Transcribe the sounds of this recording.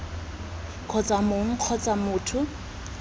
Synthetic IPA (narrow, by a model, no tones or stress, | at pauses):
kʰɔt͡sʼamoŋ̩q͡χʰɔt͡sʼamʊːtʰʊ